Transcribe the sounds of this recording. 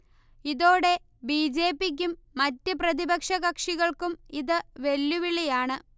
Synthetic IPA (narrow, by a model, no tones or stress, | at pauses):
iðo̞ːɽe̞ | biːd͡ʑe̞ːpːik̬ʲːumːɐtːɨprɐðibɐkʂɐɣɐkʂiɣɐɭkumiðɨʋe̞lːuʋiɭijaːɳɨ